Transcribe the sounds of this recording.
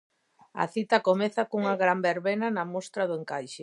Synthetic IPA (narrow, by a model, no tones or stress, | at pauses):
ɐ̰θit̪ɐkomeθɐkuŋɐɣɾambeɾβenɐnɐmost̪ɾɐðʊeŋkajʃe